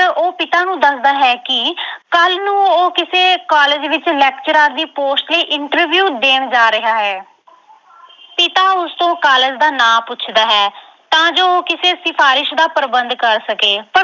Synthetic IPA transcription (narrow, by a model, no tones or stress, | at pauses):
t̪əʔoːpɪt̪aːnũːd̪əsd̪aːɦɛːkɪkəlnũːoːkɪseːkaːled͡ʒʋɪt͡ʃlɛːkt͡ʃəɾaːɾd̪iːpoːsʈləiːʔɪɳʈəɾʋjuːd̪eːɳd͡ʒaːɾɪɦaːɦɛː | pɪt̪aːʊst̪õːkaːləːd͡ʒd̪aːnãːpʊːt͡ʃʰd̪aːɦɛː | t̪ãːd͡ʒoːoːkɪseːsɪpʰaːɾɪʃd̪aːpəɾbənd̪kəɾsəkeːpə